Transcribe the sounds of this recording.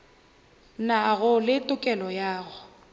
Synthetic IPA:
naɣʊlɪtʼʊkʼɛlɔjaːɣʊ

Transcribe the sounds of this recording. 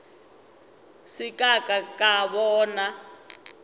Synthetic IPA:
sikʼakʼakʼaβɔːna

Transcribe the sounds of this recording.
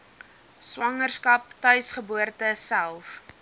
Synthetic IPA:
swɐŋərskɐp̚tœɥsχəbuərtəsælˠf

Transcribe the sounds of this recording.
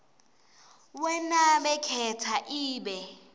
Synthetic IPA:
wɛnaɓɛkʰɛtʰaʔiːɓɛ

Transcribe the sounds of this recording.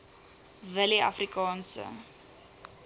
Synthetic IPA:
vəliɐ̰frikɑːnsə̰

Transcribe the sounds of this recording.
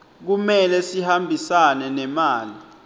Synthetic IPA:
k̬umɛlɛsihambʱisanɛnɛmaːli

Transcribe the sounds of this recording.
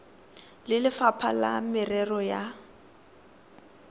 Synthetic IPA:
lɪlɪfapʰalamɪrɛrɔja

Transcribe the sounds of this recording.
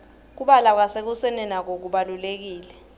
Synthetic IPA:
k̬uɓalak̬wasek̬usɛnɛnak̬ok̬uɓalulek̬iːlɛ

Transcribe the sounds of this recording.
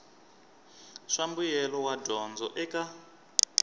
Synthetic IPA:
ʂambujɛlɔwadɔnd͡zɔ̰ʔɛka

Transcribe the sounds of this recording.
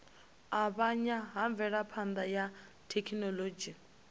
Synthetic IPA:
aβaɲaɦaɱb̪vʱɛɺapʰand̪aja | tʰekʰinɔlod͡ʒi

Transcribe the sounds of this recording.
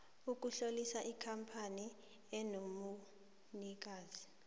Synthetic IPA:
uk̬uɬolisaʔikʰampʰani | ɛnomu | nik̬aːzi

